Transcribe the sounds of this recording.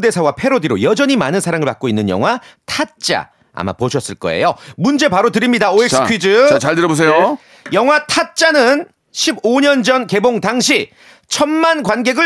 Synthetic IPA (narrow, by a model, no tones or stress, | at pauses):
de̞sʰawapʰe̞ɾodiɾojʌd͡ʑʌɲimanɯnsʰaɾaŋɯɭpak͈oinːɯnjʌ̰ŋɦwatʰat̚t͡ɕ͈a̰ | a̰ma̰poɕʰʌs͈ɯɭk͈ʌ̰e̞̰jomund͡ʑe̞paɾotɯɾimɲidaoeks͈ʰɥid͡ʑɯaɭtɯɾʌbos̬ʰe̞jo | jʌŋɦwatʰat̚t͡ɕ͈anɯn | ɕʰiboɲʌnd͡ʑʌnke̞boŋtaŋɕ̬ʰi | t͡ɕʰʌnmankwanɡe̞ɡɯ